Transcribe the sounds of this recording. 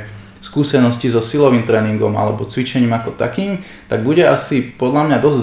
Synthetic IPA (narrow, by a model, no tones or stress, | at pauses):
skuːsɛnɔscizɔsilɔʋiːmt̪ɾɛːniŋɡɔma̰lɛbɔt͡sʋit͡ʃɛɲiːmakɔt̪a̰kiːm | t̪aɡbuɟɛasipɔd̪ʎamɲad̪ɔzɟz